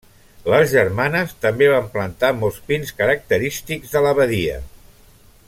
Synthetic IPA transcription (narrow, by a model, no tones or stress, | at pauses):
ləzʒəɾmanəst̪əmbeβ̞amplənt̪amɔlˠspinskəɾək̚t̪əɾist̪iɡzðələβəðiə̰